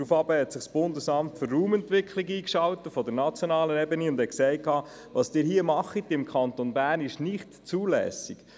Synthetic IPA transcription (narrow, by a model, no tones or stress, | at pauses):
ɾufɑbəhɛt̪sɪχsb̥ʊndəsɑmtfʏɾːuːmɛntʋɪkʰχliɡiːkʃɑwt̪əfɔdəɾnɑt͡sjonɑːlənɛbəniʊnd̥hɛtksɛɪkːɑː | ʋɑsd̥ɪːɾhiəmɑχit̪ɪmkʰχɑnt̪onbæːrnɪʃnɪχtt͡suːlɛ̰ːsik